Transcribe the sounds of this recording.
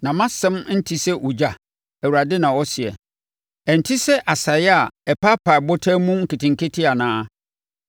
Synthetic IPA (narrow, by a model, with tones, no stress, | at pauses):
nã˨mã˦sɛ̃˦m˦n̩˦tʰi˦sɛ˦ʔu˨d͡ʑa˨ | æ˨wu˨ɾa˨dɪ˦nã˨wɔ˦sɪ˨ɛ̰˨ | ɛ˨n̩˨tʰi˦sɛ˦ʔa˨sa˨jɛ˦a˨ɛ˨pʰa˦pʰa˨bɔ˦tʰa˦mũ˦ŋ̩˦˨kʰɪ˨tʰɪ̃˨ŋkɪ˦tʰɪ˦a˨nãː˦